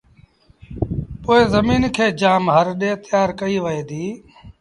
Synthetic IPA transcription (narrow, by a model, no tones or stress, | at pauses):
poːeːzəmiːnkʰeːd͡ʒaːmɦəɾɗẽːt̪ɪjaːɾkəiːʋəeːd̪iː